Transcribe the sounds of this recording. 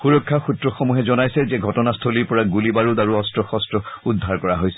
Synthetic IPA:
xuɹɔkʰːaxutɹɔxɔmuɦɛzɔnajsɛzɛɡʱɔtɔnastʰoliɹpɔɹaɡulibaɹudaɹuɔstɹɔxɔstɹɔudʱːaɹkɔɹaɦojsɛ̥

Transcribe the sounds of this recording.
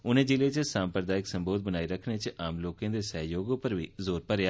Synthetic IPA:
ʊnẽːd͡ʒɪleːt͡ʃsaːmpɾəd̪aːɪksəmboːd̪̚bənaːiɾəkʰneːt͡ʃaːmloːkãːd̪eːsəɦjoːɡõːpəɾʋḭːzoːɾpəɾjaː

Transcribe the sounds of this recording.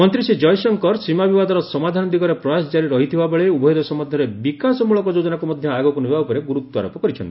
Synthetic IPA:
mɔnt̪ɾisid͡ʒɔjsɔŋkɔɾsimabibad̪ɔɾɔsɔmad̪ʱanɔd̪iɡɔɾepɾɔjasd͡ʒaɾiɾɔɦit̪ʰibabɔɭeubɔjd̪ɔsɔmɔd̪ʱjɔɾebikasɔmuɭɔkɔd͡ʒod͡ʒɔnakumɔd̪ʱjɔaɡɔkunibʱaupɔɾeɡuɾut̪ːɔaɾɔpɔkɔɾit͡ʃʰɔnt̪i

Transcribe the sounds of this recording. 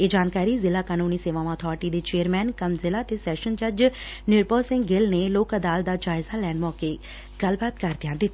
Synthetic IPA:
eːd͡ʒaːnkaːɾiːzɪlaːkaːnuːniːseːʋãːʋãːt̪ʰɔːɾʈiːd̪eːt͡ʃeːəɾmɛːnkəmzɪlaːt̪eːsɛːʃənd͡ʒəd͡ʒ | nɪɾpəːsɪ̃ŋɡɡɪlneːloːkəd̪aːld̪aːd͡ʒaːɪzaːlɛːnmɔːkeː | ɡ̥əlbaːt̪kəɾd̪ɪjãːd̪ɪt̪ːiː

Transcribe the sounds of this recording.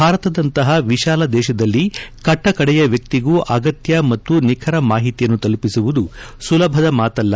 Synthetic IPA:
bʱaːɾɐt̪ɐd̪ɐnt̪ɐɦɐʋiʃaːlɐd̪ɛːʃɐd̪ɐlːikɐʈːɐkɐɽɛjɐʋjɐk̚t̪iɡuːʔɐɡɐt̪jɐmɐt̪ːunikʰɐɾɐmaːɦit̪ijɐnːut̪ɐlupisuʋud̪usulɐbʱɐd̪ɐmaːt̪ɐlːɐ

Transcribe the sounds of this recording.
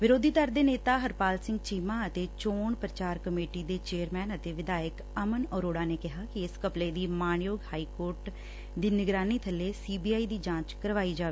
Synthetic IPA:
ʋɪɾoːd̪ʱiːd̪əɾd̪eːneːt̪aːɦəɾpaːlsɪ̃ŋɡ̚t͡ʃiːmaːət̪eːt͡ʃoːɳpɾət͡ʃaːɾkəmeːʈiːd̪eːt͡ʃeːəɾmɛːnət̪eːʋɪd̪aːjək | əmənɔːɾoːɽaːneːkɪɦaːkɪɪskəpleːd̪iːmaːɳjoːɡhaːiːkoːɾʈ | d̪iːnɪɡɾaːniːt̪ʰəlːeːsiːbiːaːiːd̪iːd͡ʒãːt͡ʃkəɾʋaːiːd͡ʒaːʋeː

